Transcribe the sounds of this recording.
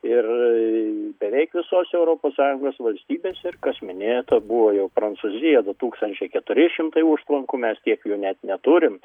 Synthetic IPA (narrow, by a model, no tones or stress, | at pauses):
ɪr | bʲɛʋʲɛɪkʋʲɪsoːsɛʊɾoːpoːssɑːjʊŋɡoːsʋɐlʲsʲt̪ʲiːbʲeːsʲɪrkɐsmʲɪnʲeːjt̪ɐbuʋoːjɛʊpɾɐnsuzʲɪjɛd̪ʊt̪uːkst̪ɐnʲt͡ʃʲɛɪkʲɛt̪ʊɾʲɪʃʲɪmt̪ɐɪuʃt̪lˠɐŋkʊmʲɛst̪ʲiɛkjuːnʲɛt̪nʲɛt̪ʊɾʲɪm